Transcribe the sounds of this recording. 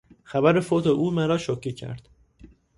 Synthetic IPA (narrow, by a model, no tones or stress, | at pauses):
xæbæɾe̞fot̪ʰeʔuːmæɾɒːʃocʰːiːcʰæ̰ɾd̪̥